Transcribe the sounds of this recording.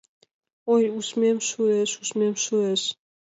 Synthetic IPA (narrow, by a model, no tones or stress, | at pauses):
ojusmemʃueʃuʃmemʃueʃ